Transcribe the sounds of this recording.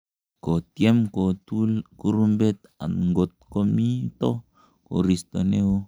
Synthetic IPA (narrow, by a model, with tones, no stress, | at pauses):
ko˨t̪je˦mko˨t̪ulku˦ɾu˦mbet̪a̰˨nŋɡo˨t̪̚ko˦mi˦t̪o˦ | ko̰˨ɾist̪one˦o